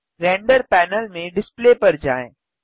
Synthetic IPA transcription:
ɾɛ̃ːɳɖəɾpɛːnəlmẽɖɪspleːpɐɾd͡ʑaːɪ̃

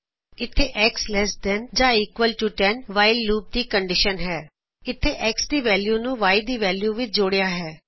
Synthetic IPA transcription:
ɪt̪ʰːeːʔɛːkslɛːsd̪ɛnd͡ʒãːiːkʋəlʈuːʈɛnʋaːɪlːuːp̚d̪iːkəɳɖɪʃənɦɛː | ɪt̪ʰːeːʔɛːksd̪iːʋɛːljuːnũːʋaːid̪iːʋɛːljuːʋɪt͡ʃd͡ʒoːɽejaːɦɛː

